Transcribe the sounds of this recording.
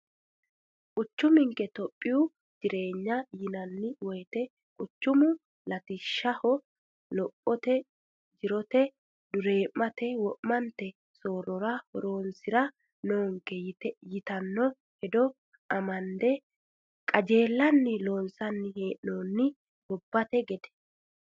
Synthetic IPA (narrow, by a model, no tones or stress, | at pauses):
kʼʊt͡ʃːʊmɪŋkɛt̪ɔpʼːɪjʊ | d͡ʒɪɾe̞ːɲːɐjɪnɐnːɪwɔjt̪ɛ | kʼʊt͡ʃːʊmʊ | lɐt̪ɪʃːɐhɔ | lɔpʼːɔt̪ɛ | d͡ʒɪɾɔt̪ɛ | d̪ʊɾe̞ːʔːɐt̪ɛwɔʔmɐnt̪ɛ | soːɾɔɾɐhɔɾo̞ːnsɪɾɐ | noːŋkːɛt̪jɪt̪ɐnːɔ | hɛd̪ɔ | ɐmɐnd̪ɛ | kʼɐd͡ʒe̞ːlːɐnːɪlo̞ːnsɐnːɪheːʔnoːnːɪ | bɔbːɐt̪ɛɡɛd̪ɛ̥